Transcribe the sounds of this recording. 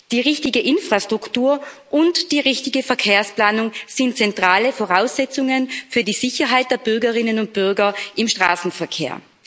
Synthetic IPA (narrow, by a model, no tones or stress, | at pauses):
d̥iːʁɪçtɪɡəʔɪnfʁ̥astʁ̥ʊktuːɐʔʊntd̥iːʁɪçtɪɡəfɛɐkʰeːɐsplaːnʊŋz̥ɪntt͡sɛntʁ̥aːləfoʁaʊsz̥ɛt͡sʊŋənfyːɐdiːz̥ɪçɐɦaɪt̚d̥eːɐbʏɐɡəʁɪnənʊnt̚b̥ʏɐɡɐʔɪmʃtʁ̥a̰ːsn̩fɛɐkʰḛːɐ